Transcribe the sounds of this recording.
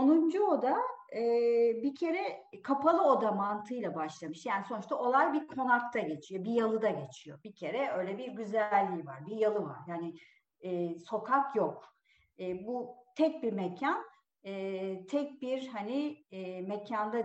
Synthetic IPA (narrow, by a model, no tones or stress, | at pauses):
onund͡ʒuo̞d̪aɯːbicʰe̞ɾɛkʰapʰalˠɯo̞d̪amant̪ʰɯjlˠabaʃlˠamɯʃjaːniso̞nuʃt̪ao̞lˠajbiɾkʰo̞nak̚t̪ʰaɟe̞t͡ʃʰijo̞bijalˠɯd̪aɟe̞t͡ʃʰijo̞̰bicʰe̞ɾɛø̞jlʲɛbiɾɟyzælʲːiːva̰ɾbijalˠɯva̰ɾjaːnɪː | so̞kʰakjo̞k̚ː | but̪ʰɛc̚biɾmecʰan | ɛːt̪ʰɛc̚biɾhanimecʰand̪a